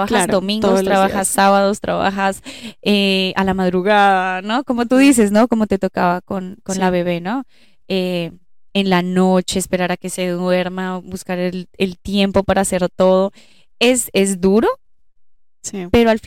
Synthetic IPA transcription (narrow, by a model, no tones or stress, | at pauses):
βakazd̪o̞mĩŋɡost̪ɾaβaxasːaβaðo̞st̪ɾaβa̰xasealamaðɾuɣaðano̞ko̞mo̞t̪uðis̬e̞sno̞ko̞mo̞t̪e̞t̪o̞kaβako̞nko̞nlaβe̞β̞e̞no̞ | e | enlano̞t͡ʃe̞ːspe̞ɾaɾake̞se̞ðwe̞ɾmabuskaɾelelt̪je̞mpo̞paɾaːse̞ɾt̪o̞ð̞o̞ | e̞se̞zd̪uɾo̞ | sipe̞ɾoalf